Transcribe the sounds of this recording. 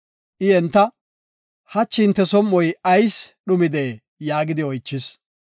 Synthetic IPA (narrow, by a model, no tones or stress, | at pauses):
ʔɪɛnt̪ːɐ | hɐt͡ʃːɪnt̪ːɛsɔmːɔjɐjsɗʊmɪd̪eː | jaːɡɪd̪ɪɔjt͡ʃːɪs